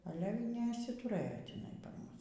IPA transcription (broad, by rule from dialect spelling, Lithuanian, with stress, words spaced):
ˈɑːlʲɛ iː nʲɛɪʃʲsʲɪtʊˈrɘjoː tʲɪˈnɐɪ pɐr ˈmʊs